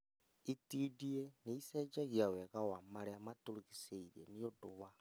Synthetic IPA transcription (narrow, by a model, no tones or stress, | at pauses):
itiːdieneisɛd͡ʒaɣjawɛɣawamaɾeamatoɾiɣiseiɾeniodowa